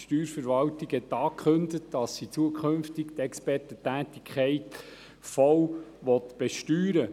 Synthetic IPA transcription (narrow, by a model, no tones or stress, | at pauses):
ʃtyːɾfəɾʋɑltɪɡhɛt̪ɑːkχɵndətd̥ɑsit͡suəkχɵmftiktɛkspɛrtətæːt̪ikʰχɛɪt | fɔwʋɔt̪b̥ɛʃtyːɾə